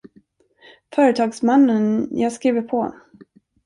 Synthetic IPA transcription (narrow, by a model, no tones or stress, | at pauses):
fœːɾət̪ʰɑːɡsmanːənjɑːɡskɾiːvəpʰɔ